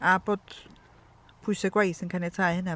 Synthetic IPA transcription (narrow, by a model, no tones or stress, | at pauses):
apɔt̪ | pʰusɛkwaisiŋkʰanɛt͡sʰahɛna